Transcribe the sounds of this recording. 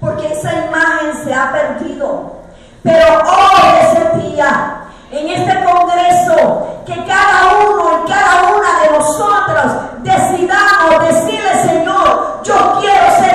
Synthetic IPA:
po̞ɾke̞esaimaxe̞ŋse̞apeɾðiðo | pe̞ɾo̞oðesent̪ija | eŋe̞st̪e̞ko̞ŋɡɾe̞soke̞kaðaunoeŋkaðaunaðenosot̪ɾosd̪e̞siðamosðe̞siɾle̞se̞ɲoɾd͡ʒo̞kjeɾose

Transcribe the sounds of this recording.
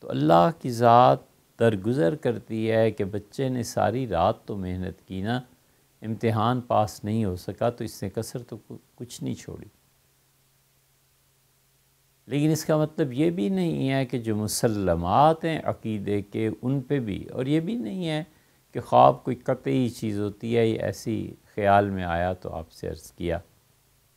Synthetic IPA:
t̪o̰ɐ̰lːaɦkizaːt̪̚ | d̪ɐɾɡʊzəɾkɐɾt̪iɦɛkebɐtːʃenesa̰ːɾiɾaːt̪ːomeɦnə̰t̪kiːna | ɪ̃mt̪ɪɦaːnpaːsnɐɦĩɦosɐkat̪oɪsnekɐsəɾt̪okʊt͡ʃʰnɐḭ̃t͡ʃʰo̰ːɽḭː | leːkɪnɪskamɐt̪ləbjebʱinɐɦĩɦɛked͡ʒoːmʊsəlːəmaːt̪ɦɛ̃ʔɐ̰qiːd̪ekeʔʊnpebʱḭɔ̰ːɾjebʱinɐɦĩɦɛ | kexaːb̚koːikɐt̪eit͡ʃiːzɦoːt̪iɦɛjḛʔɛ̰ːsḭxɐjaːlmẽa̰ːjat̪o̰a̰ːpsḛɐ̰ɾz̥kija̰ː

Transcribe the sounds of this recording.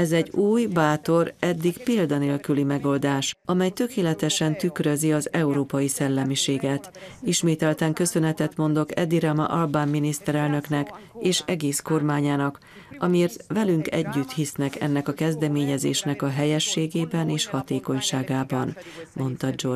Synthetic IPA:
ɛzɛɟuːjbaːt̪o̞ɾɛd̪ːiɡpiːld̪ɒneːlkylimɛɡo̞ld̪aːʃɒmɛjt̪ø̞keːlɛt̪ɛʃɛnt̪ykrø̞ziɒzɛuɾoːpɒjisɛlːɛmiʃeːɡɛt̪iʃmeːt̪ɛlt̪ɛŋkø̞sø̞nɛt̪ɛt̪mo̞nd̪o̞kɛ̰d̪iɾɛmɒ̰ʔɒlbaːmːinist̪ɛɾɛlnø̞knɛkeːʃɛɡeːsko̞rmaːɲaːnɒk | ɒmieːrt̪ʋɛlyŋkɛ̰ɟːyt̪hisnɛkɛ̰nːɛkɒkɛzd̪ɛmeːɲɛzḛːʃnɛkɒɦɛjɛʃːeːɡeːbɛneːʃhɒt̪eːko̞ɲʃaːɡaːbɒn | mo̞nt̪ɒd͡ʒo̞r

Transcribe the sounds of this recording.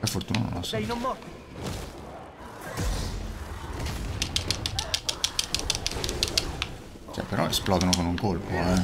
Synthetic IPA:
perfort̪uːna̰no̰nɔsn | t͡ʃoɛ̰pːeɾɔ̰ḛsplɔːd̪onokonuŋkolpoɛ

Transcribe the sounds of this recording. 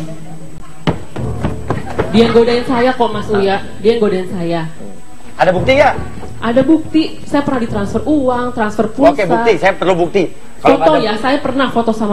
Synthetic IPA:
diaŋɡodaɪnsajakɔmasuja | diaŋɡodaɪnsaja | adabuk̚t̪ija | ʔadabuk̚t̪i | sajapərnahdit̪ɾansfəruwaŋt̪ɾansfərpuokebuat̪isajapərlubuk̚t̪i | falot̪ɔjasajapərnahfot̪ɔsama

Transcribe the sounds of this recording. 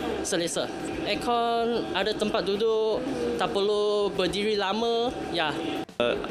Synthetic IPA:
səlesə | ʔɛkʰɔnʔadət̪əmpat̪̚dudʊʔt̪aʔpəlobədiɾilamə̃ | ja

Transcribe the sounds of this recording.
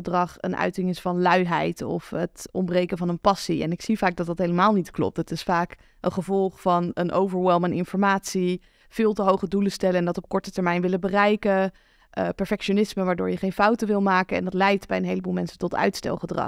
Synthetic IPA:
ədrɑχə̰nʔœ̰ɥtɪŋɪsfɑnlœɥɦɛjtɔ̰fətɔmbrejkənvɑnənpɑsiɛ̰nɪksivaːɡ̚dɑtdɑtɦejləmaːlˠnitklɔ̰p̚tətɪsfaːk | ənχəvɔlˠχfɑnənʔo̰wvəɹʋɛlˠmənɪnfɔɹmaːtsi | v̥ɪːlˠtəɦowχəduləstɛləɛndɑtɔp̚kɔɹtətɛɹmɛjnʋɪlənbərɛjkə | ʔəpɛɹfɛkʃonɪsməʋaːɹdʊ̰ːɹjəχejnfɑwtəʋɪlˠmaːkəɛ̰ndɑtlɛjtbɛjənɦejləbulˠmɛnsəntɔtœ̰ɥtstɛ̰lˠχədrɑ̰

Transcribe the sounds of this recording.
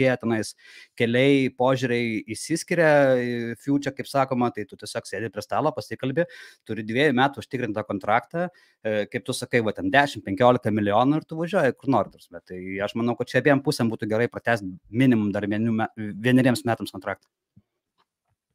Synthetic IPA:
eːjɛt̪ʲɛnɐɪskʲɛlʲɛɪpoːʒʲuɾʲɛɪisʲɪsʲkʲɪɾʲɛfʲuːt͡ʃʲɛkɐɪpsɑːkoːmɐt̪ɐɪt̪ʊt̪ʲɛsʲoːksʲeːd̪ʲɪpʲɾʲiɛst̪ɑːlˠoːpɐsʲɪkɐlʲbʲɪt̪ʊɾʲɪd̪ʲʋʲiɛjʊmʲæːt̪ʊʊʃʲt̪ʲɪkɾʲɪnt̪ɑkoːnt̪ɾɑːkt̪ɑ | kɐɪp̚t̪ʊsɐkɐɪʋɐt̪ʲɛnd̪ʲæːʃʲɪmpʲɛŋʲkʲoːlʲɪkɐmʲɪlʲɪjoːnʊɪrt̪ʊʋɐʒʲuɔjɛkʊrnoːɾʲɪt̪ɾsʲmʲɛt̪ɐɪɐʃmɐnɐʊkɐt̪̚t͡ʃʲɛɐbʲiːjɛmpʊsʲɛmbuːt̪ʊɡʲɛɾɐɪpɾɐt̪ʲæːsʲt̪mʲɪnʲɪmʊmd̪ɐrʋʲiɛnʲuːmʲæʋʲiɛnʲɪɾʲiɛmsmʲæːt̪ɐmskont̪ɾɑːk̚t̪ɐ̥

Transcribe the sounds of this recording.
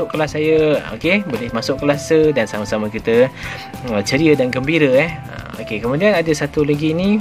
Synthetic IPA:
ʊʔkəlasːajəo̰kebolɪhmasʊʔkəlasədansaməsaməkit̪ə | ət͡ʃəɾiədanɡəmbiɾəɛhə̰o̰kekəmũdianadəsat̪ulaɡini

